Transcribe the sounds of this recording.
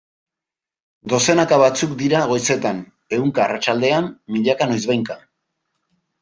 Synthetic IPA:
d̪o̞se̞nakaβat͡sukd̪iɾaɣo̞jse̞t̪an | e̞ɣuŋkaːrat͡ʃald̪e̞amːiʎakano̞jzβajŋka

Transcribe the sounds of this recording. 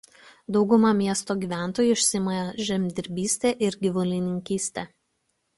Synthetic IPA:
d̪ɒʊɡʊmɑmʲiɛst̪oːɡʲiːʋʲæˑnˑt̪oːjuˑɪʃʲsʲɪmɐjʒʲɛmʲd̪ʲɪɾʲbʲiːsʲt̪ʲeːʔɪɾɡʲɪʋʊlʲɪnʲɪŋʲkʲiːsʲt̪ʲɛː

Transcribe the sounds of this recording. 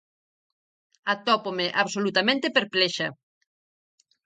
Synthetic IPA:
at̪ɔpomeʔaβsolut̪amẽnt̪epeɾplɛʃa

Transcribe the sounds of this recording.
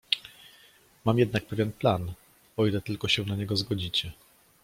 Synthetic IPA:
mamjɛd̪nak̚pɛvʲjɛnplan | ɔilɛt̪ɘlkɔɕɛ̃naɲɛɡɔzɡɔd͡ʑit͡ɕɛ

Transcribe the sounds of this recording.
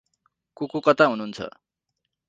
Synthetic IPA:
kokokʌt̪aɦunuːnt͡sʰʌ̰

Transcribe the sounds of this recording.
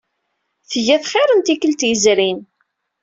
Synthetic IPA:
θəʝæθχɪɾˤənt̪ikəlt̪jəzɾin

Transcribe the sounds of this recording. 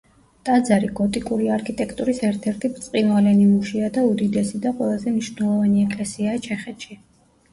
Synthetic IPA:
t̪ʼad̪zaɾiɡɔt̪ʼikʼuɾiaɾkʰit̪ʼɛkʰt̪ʼuɾisɛɾt̪ʰɛɾt̪ʰibt̪sʼqʼinwalɛnimuʃiad̪aud̪id̪ɛsid̪aqʼwɛlˠazɛmniʃvnɛlˠɔvaniɛkʼlɛsiaːt͡ʃʰɛχɛt̪ʃi

